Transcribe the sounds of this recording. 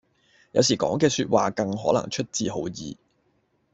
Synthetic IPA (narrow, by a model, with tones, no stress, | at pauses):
jɐ˨˧wsiː˨˩kɔ̰ː˨˥ŋkɛː˧syː˧t̚wa̰ː˨kɐ˧ŋɦɔ̰ː˨˥nɐ̰˨˩ŋt͡ʃʰɵ˥t̚t͡siː˧ɦo˨˥wjiː˨˧